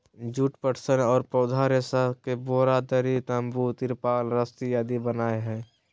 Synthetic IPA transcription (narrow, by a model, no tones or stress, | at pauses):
d͡ʒuʈpəʈʰsənɔːɾpɾəʊd̪ʱaɾesakeboːɾad̪əɾit̪əmbut̪ɪɾpaːlɾəst̪ijaːd̪ibənaːeɦɛː